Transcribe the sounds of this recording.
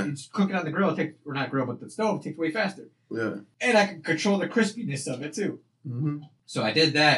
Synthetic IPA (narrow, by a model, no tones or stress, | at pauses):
kʰl̥ʊkɪ̃ŋə̃nðɨɡɹoʊtʰeɪk̚ə˞nɨt̚ɡ̥ɹoʊbʌt̪̚ðɨstoʊtʰeɪktʰəweɪfæstə˞ | jæ̰ɨ̃naɪkʰɨd̚kʰɨ̃ntʰɹ̥oʊlˠðɨkʰɹ̥ɪspinɨsʌvɨtʰʉ | soʊaɪdɪd̪̚ðæt